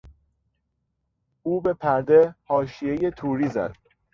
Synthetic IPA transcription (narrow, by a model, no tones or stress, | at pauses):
uːbe̞pʰæɾd̪e̞hɒːʃije̞je̞t̪ʰuːɾiːzæ̰d̪̥